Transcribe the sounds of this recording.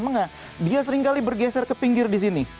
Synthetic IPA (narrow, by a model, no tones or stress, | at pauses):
maŋa | dias̬əɾɪŋkalibərɡɛsɛrkəpiŋɡɪrdis̬ini